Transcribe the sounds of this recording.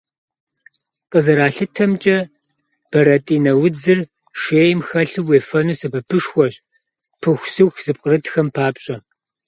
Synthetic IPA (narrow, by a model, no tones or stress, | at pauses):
qʼəzɐɾaːɬɨtʰɐmt͡ʃʼɐ | b̥ɐɾɐtʼiːnɐwʊd͡zɨr | ʃeːjmxɐɬɨweːfɐnuːsɐpʰɐpʰɨʂxʷɔɕ | pʰɨxʷsɨwxz̥ɨp̚qʼərɨtxɐmpʰaːpɕʼɐ